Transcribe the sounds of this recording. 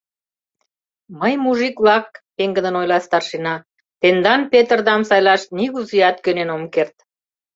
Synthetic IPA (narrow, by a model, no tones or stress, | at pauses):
məjmuʒikβlɑk̚peŋɡə̆nə̆nojlɑst̪ɑrʃinɑ | t̪end̪ɑnpet̪ərd̪ɑmsɑjlɑʃt̪niɣuziɑt̪kønenomkert̪